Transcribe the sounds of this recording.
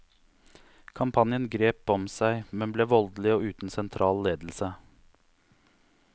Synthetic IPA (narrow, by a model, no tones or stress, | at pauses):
kʰɑmpʰɑnjənɡɾeːpɔmsæɪmɛnbleːʋɔld̪lɪoːʉːt̪n̩sɛnt̪ʰɾʔɑːlleːd̪l̩sə